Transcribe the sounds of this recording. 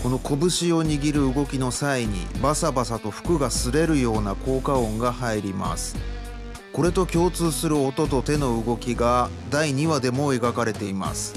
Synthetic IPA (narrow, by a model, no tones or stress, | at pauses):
ko̞no̞ko̞bɯ̟ɕio̞ɲ̟iɡʲiɾɯ̟ɯɡo̞kʲino̞saiɲ̟ḭbasabasat̪o̞ɸɯ̥kɯ̟ɡasɨɾe̞ɾɯ̟jo̞ːnako̞ːkaõ̞ŋɡahaiɾʲima̰sɨ̥ | ko̞ɾe̞t̪o̞kʲo̞ːt͡sɨːsɨɾɯ̟o̞t̪o̞t̪o̞t̪e̞no̞ɯ̟ɡo̞kʲiɡa | d̪aiɲ̟iβad̪e̞mo̞e̞ɡakaɾe̞t̪e̞ima̰sɨ̥